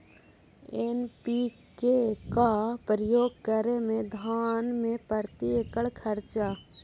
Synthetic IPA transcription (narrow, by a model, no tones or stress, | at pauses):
enpi | kekapəɾəjoːɡ̚kəɾemẽd̪ʱaːnmẽpəɾt̪iekəɭkʰəɾt͡ʃa